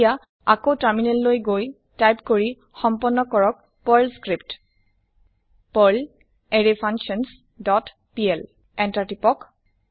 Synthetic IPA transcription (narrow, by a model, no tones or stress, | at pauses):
ja | akotaɹminelːojɡoj | tajpkoɹi | xɔmpɔnːɔkɔɹɔk̚ | pɔjlskɹipt | pɔɹl | eɹepʰaŋksɔns | dɔt | piɛl | ɛntaɹtipɔk